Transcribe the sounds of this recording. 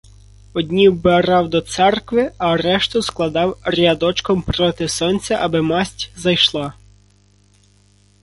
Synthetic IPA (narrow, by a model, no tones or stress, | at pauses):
ɔdʲnʲiwbeɾɑwd̪ɔt̪sɛrkʋɪɐɾɛʃt̪ʊsklˠɐd̪ɑwrʲɐd̪ɔt͡ʃkɔmpɾɔt̪ɪsɔnʲt͡sʲɐʔɐbɪmɑsʲtʲzɐjʃlˠɑ